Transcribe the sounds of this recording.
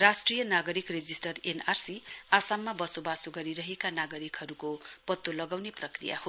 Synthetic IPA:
rasʈrijʌnaɡʌɾikred͡zisʈʌrenarsiasamːabʌsobasoɡʌɾiɾʌɦekanaɡʌɾikɦʌɾukopʌt̪ːolʌɡawneprʌkrḭja̰ho

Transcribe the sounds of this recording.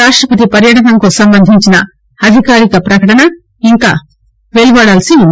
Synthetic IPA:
aːʂʈɾɐpɐt̪̬ipɐɾjɐʈɐnɐŋkoːsɐmbɐnd̪ʱiɲt͡ʃinɐ | ɐd̪ʱikaːɾikɐpɾɐkɐʈɐnɐ | iŋka̰ː | ʋeɭubaːɽaːlɐsi

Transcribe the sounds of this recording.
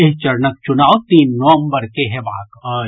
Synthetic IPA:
eɦt͡ʃɐɾnək̚t͡ʃʊnaːot̪iːnːɔʋə̃mbəɾkeɦɛʋaːkə

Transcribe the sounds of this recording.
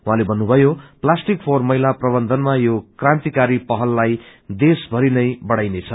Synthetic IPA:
wɦãlebʱʌnːubʱʌjoplasʈikpʰormʌɦjlaprʌbʌnd̪ʱʌnmajokrãnt̪ikaɾipʌɦʌlːajd̪esbʱʌɾinʌjbʌɽajnet͡sʰʌ

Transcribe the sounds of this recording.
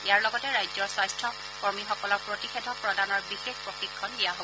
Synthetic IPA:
ɛjaɹlɔɡɔtɛɹajd͡ʒzɔɹsajstɹɔ | kɔɹmixɔkɔlɔɹpɹotixedʱɔpɹɔdanɔɹbixexpɹoxikʰːɔndijaɦobɔ

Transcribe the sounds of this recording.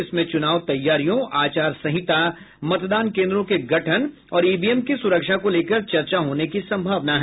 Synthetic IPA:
ɪsmẽt͡ʃʊnaːʋt̪ɐjːaːɾijõaːt͡ʃaːɾsɐɦɪt̪a | mɐt̪d̪aːnkẽːnd̪ɾõkeɡɐʈʰən | ɔːɾiːbiːemkisʊɾəkʃakoleːkəɾt͡ʃɐɾt͡ʃaɦoːnekisɐ̃mbʱaːʋnaɦɛː

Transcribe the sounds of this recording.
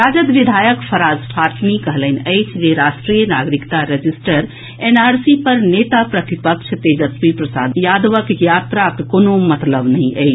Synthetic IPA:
ɾad͡ʒəd̪ʋid̪ʱajəkpʰəɾazpʰat̪ʰnikəɦləɪnəɪt͡ʃʰd͡ʒeɾaʃʈɾijənaɡɾikt̪aɾed͡ʒisʈəɾ | enaɾsipəɾnet̪apɾət̪ipəkt͡ʃʰət̪ed͡ʒət̪pipɾəsad̪jad̪ʋəkjat̪ɾakkonomət̪ləbnəɦĩʔə̰ɪt͡ʃ

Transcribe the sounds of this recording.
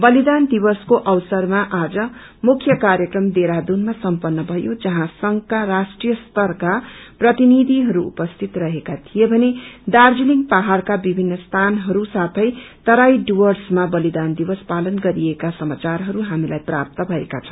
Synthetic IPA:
bʌlid̪and̪ibʌskoʔʌwsʌrmaʔad͡zʌ | mukʰjʌkaɾjʌkrʌmd̪eɾad̪unmasʌmpʌnːʌbʱʌjod͡zʌɦãsʌŋkaɾasʈrijʌst̪ʌrkaprʌt̪inid̪ʱiɦʌɾuṵpʌst̪ʰit̪rʌɦekat̪ʰijebʱʌned̪ard͡ziliŋɡpaɦarkabibʱinːʌst̪ʰanɦʌɾusat̪ʰʌjt̪ʌɾajɖuwʌrsmabʌlid̪and̪ibʌspalʌnɡʌɾiekasʌmat͡sarɦʌɾuɦamilajpra̰p̚t̪ʌbʱʌḛkat͡sʰʌ̥w̃

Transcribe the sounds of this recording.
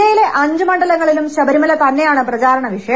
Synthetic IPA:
ɐjile̞ʔɐɲd͡ʑɨmɐɳɖɐlɐŋːɐɭilumɕɐbɐɾimɐlɐt̪ɐnːe̞jaːɳɨprɐt͡ɕaːɾɐɳɐʋiʂɐjɐ

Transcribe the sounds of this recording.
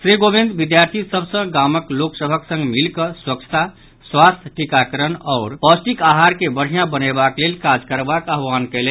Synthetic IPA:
sɾiɡobĩnd̪bid̪jaɾt̪ʰisəbsə̃ɡaməkloksəbʱəksə̃ŋɡmilkəswəkt͡ʃʰə̥t̪a | swast̪ʰʈikakəɾənɔʊɾpɔsʈikaɦaɾkebəɽ̤ɦijãbənebaklelkad͡ʒkəɾbakaɦwankəle

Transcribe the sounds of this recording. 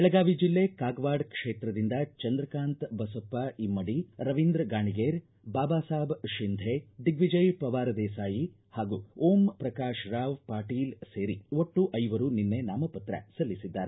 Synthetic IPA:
ɛɭɐɡaːʋid͡ʒilːekaːɡʋaːɖkʂeːt̪ɾɐd̪ind̪ɐt͡ʃɐnd̪ɾɐkaːnt̪bɐsɐpːɐimːɐɽiɾɐʋind̪ɾɡaːɳiɡeːɾ | baːbaːsaːbʃind̪ʱed̪iɡʋid͡ʒɐjpɐʋaːɾɐd̪ɛːsaːji | haːɡuːoːmpɾɐkaːʃɾaːʋpaːʈiːlseːɾioʈːuʔɐjʋɐɾuninːenaːmɐpɐt̪ɾɐ̰sɐlːisid̪ːaːɾe

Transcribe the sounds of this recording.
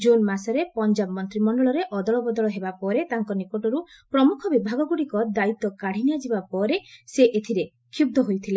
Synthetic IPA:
d͡ʒonmasɔɾepɔnd͡ʒabmɔnt̪ɾimɔɳɖɔɭɔɾeʔɔd̪ɔɭɔbɔd̪ɔɭɔɦebapɔɾet̪aŋkɔnikoʈɔɾu | pɾɔmukʰɔbibʱaɡɔɡuɽikɔd̪ait̪ːɔkaɽ̤inijad͡ʒibapɔɾeseʔet̪ʰiɾe | kʰub̚d̪ʱɔɦojt̪ʰile

